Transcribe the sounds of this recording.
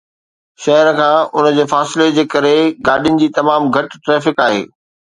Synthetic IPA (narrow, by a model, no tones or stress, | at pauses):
ʃɐɦəɾkʰãːʊnə̆d͡ʑeːfaːsɪled͡ʑeːkɐɾeɡaːɗijʊnɪ̆d͡ʑiːt̪ɐmaːmɡʱɐʈʈɾɛːfɪkaːɦḛː